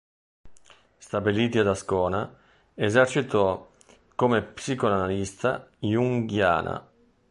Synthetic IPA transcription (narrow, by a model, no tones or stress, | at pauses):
st̪abiliːt̪iad̪askɔːna | ezɛrt͡ʃit̪ɔ | komepsiːkolanalist̪ajuŋɡja̰ːna̰